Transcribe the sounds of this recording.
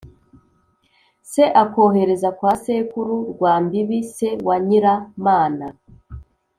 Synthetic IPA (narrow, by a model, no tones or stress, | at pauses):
se̞ʔako̞ːɦe̞ɾe̞zakwaːseːkuɾuɾɡwaːmbiβise̞waɲiɾamaːna